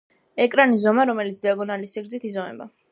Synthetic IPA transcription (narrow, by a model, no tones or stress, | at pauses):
ɛkʼɾanizɔmaɾɔmɛlit̪sʰd̪iaɡɔnalisiɡɾd̪zit̪ʰizɔnɛ̰ba̰